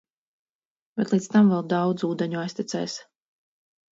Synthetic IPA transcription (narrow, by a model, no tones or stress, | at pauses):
b̥ɛt̪lˠiːt̪st̪amvɛlˠd̪ɑwd̪zuːd̪ɛɲuajsʲt̪ʲit̪sɛ̰ːs